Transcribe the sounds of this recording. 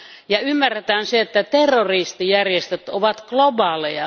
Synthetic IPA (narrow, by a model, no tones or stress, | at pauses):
jɑymːærːet̪æːnseet̪ːæt̪erːorist̪ijærjest̪øt̪oʋɑt̪klobɑːlejɑ